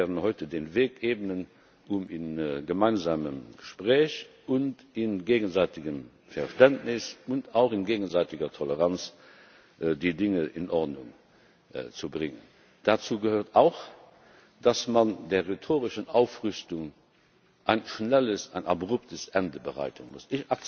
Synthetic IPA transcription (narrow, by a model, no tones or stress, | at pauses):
vɛːɐʁdənhɔɪtədeːnveːkeːbənən | uminɡəmaɪnzaːməmɡ̥əʃpʁɛːɕ | ʊnt | ɪnɡeːɡənzaɪtiɡəm | fɛɐʃtæntnɪsuntaʊχinɡeːɡənzaɪtiɡɐtʰoləʁɑnt͡s | ʔdidɪŋəʔɪnʔɔʁdnʊŋ | t͡subʁɪŋən | d̥at͡suːɡəhøːɐtaʊx | d̥ɑsmɑndeːɐʁetʰoːʁɪʃənaʊfʁʏstʊŋ | ʔaɪnʃnæləsaɪnʔɑ̰bʁuptʰəsʔɛndəbəʁa̰ɪtʰənmʊ̰sɪçɑk